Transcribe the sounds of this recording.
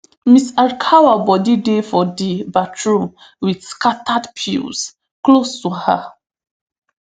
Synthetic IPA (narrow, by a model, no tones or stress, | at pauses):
misaɹkʰawabɔdidefɔdibatʰɹũ | widskatʰadpʰḭls | klostuha